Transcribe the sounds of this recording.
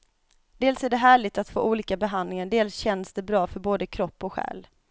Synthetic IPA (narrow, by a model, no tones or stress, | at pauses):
d̪̥eːlsæɖɛɦæːɭɪɡ̚t̪at̪fo̰ːʔuːliːkabɛɦand̪lɪŋaɖeːlsɕɛnsd̪ɛbɾɑːfœɾboːd̪əkʰɾɔpːɔɧæ̰ːl